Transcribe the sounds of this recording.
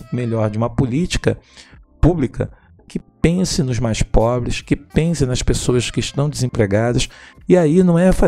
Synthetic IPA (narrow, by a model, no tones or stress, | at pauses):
meʎɔɾd͡ʒɪũmɐpolit͡ʃi̥kɐ̰publikɐ̰ | kɪpẽsɪnʊzmajspɔbɾɪskɪpẽsɪ̃nɐspesoɐskɪːʃt̪ɐ̃w̃d͡ʒɪzẽpɾeɡad̪ɐsiainɐ̃w̃ɛfa